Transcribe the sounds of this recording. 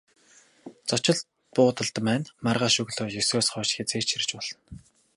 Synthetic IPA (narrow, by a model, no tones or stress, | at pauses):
t͡sɔt͡ɕɪ̆ɮ | pʊːt̪ə̆ɮt̪ə̆mæːnmarʁaːʃɵɣɮoːjɵsoːsχɔːt͡ɕxet͡seːt͡ɕʰiɾɘ̆t͡ɕpɔɮ̥ɞ̆n